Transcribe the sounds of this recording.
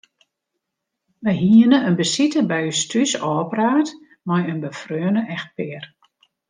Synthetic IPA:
ʋəjɦiənəənbəsitəbɛjystysɔːpraːt | mɔjənbəfrøːnəʔɛxt̚pɪər

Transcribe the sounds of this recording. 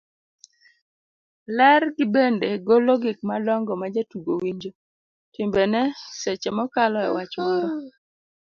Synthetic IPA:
lɛrɡɪbendeɡolɔɡɪk̚malɔŋɡɔmad͡ʒatuɡowiɲd͡ʒo | tɪmbenɛset͡ʃemɔkalɔɛ̰wat͡ʃmɔɾɔ

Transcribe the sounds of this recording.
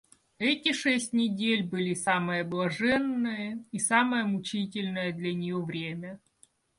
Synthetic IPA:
ɛtʲɪʂɛsʲtʲnʲɪdʲelʲbɨlʲisamɨjəblˠɐʐɛnːɨjəisaməjəmʊt͡ɕitʲɪlʲnəjəd̪lʲɐnʲɪjovɾʲemʲə

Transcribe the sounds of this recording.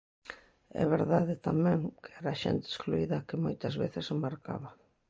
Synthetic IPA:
ɛ̰βeɾðaðɪt̪amɛ̃ŋkɪ̥ɛɾɐʃɛ̰nt̪ɪeskluiðɐkɪmojt̪ɐzβeθɪsɪmaɾka̰βɐ

